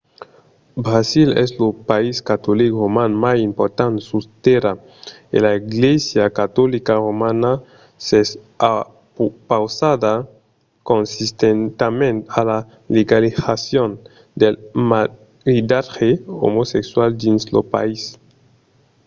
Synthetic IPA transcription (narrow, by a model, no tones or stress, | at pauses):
bɾasilɛ̰slopaiskat̪olikromanmasimpoɾt̪ansust̪eɾa | ḛlaiɡlesjakat̪ɔlikaromana | ses | a | pupawsad̪a | konsist̪ent̪amẽnt̪ala | leɡalisasjon | d̪elma | ɾid̪aɾxeo̰mosekswald̪inslopa̰is